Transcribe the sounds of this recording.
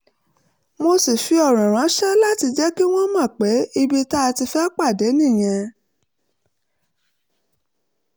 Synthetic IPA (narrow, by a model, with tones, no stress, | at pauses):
mo˧si˨fi˧ɔ˦˨ɾ̃ã˨ɾ̃ã˨˦ʃɛ˦la˦˨ti˧d͡ʒɛ˦ki˦w̃ɔ̃˦mã˦˨k͡pe˨˦i˧bi˧ta˦˧ti˧fɛ˦k͡pa˦˨de˨˦nĩ˦˨j̃ɛ̃˧